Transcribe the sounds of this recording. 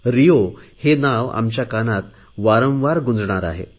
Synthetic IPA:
ɾijohenaʋa̰mt͡ɕjakanat̪ | ʋaɾə̃wʋaɾɡund͡zɳaɾa̰ɦḛ

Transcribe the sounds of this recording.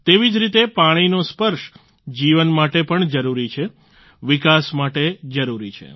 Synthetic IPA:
t̪eʋid͡ʒɾit̪epaɽ̃inospəɾʃ | d͡ʒiʋənmaʈepəɳd͡ʒəɾuɾit͡ʃʰe | ʋikasmaʈed͡ʒəɾuɾit͡ʃʰḛ

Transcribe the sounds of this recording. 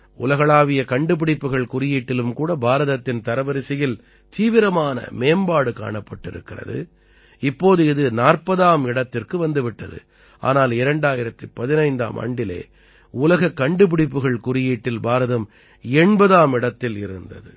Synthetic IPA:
ʊlɐɣɐɭaːʋɪjɐkɐɳɖɯp̬ɪɽɪpːɯɣɐɭkʊɾɪjiːʈːɪlɯmkuːɽɐbaːɾɐðɐt̪ːɪnt̪ɐɾɐʋɐɾɪsɪjɪl | t̪iːʋɪɾɐmaːnɐ̰meːmbaːɽɯka̰ːɳɐpːɐʈːɪ̰ɾɯ̰kːɪrɐ̰ðɯ̰ | ɪpːoːðɯɪðɯnaːrpɐðaːmɪɽɐt̪ːɪrkɯʋɐnd̪ɯʋɪʈːɐðɯ̰ | ʔa̰ːnaːlɪɾɐɳɖaːjɪɾɐt̪ːɯpːɐðɪnɐɪnd̪a̰ːmʔɐ̰ɳɖɪlḛː | ʊlɐɣɐkːɐɳɖɯp̬ɪɽɪpːɯɣɐɭkʊɾɪjiːʈːɪlbaːɾɐðɐm | ɛɳbɐðaːmɪɽɐt̪ːɪlɪ̰ɾɯnd̪ɐðɯ̰

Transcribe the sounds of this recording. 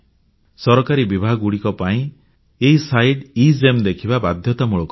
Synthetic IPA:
sɔɾɔkaɾibibʱaɡuɽikɔpaĩ | eɦisajɖizemd̪ekʰibabad̪ʱjɔt̪amuɭɔkɔ

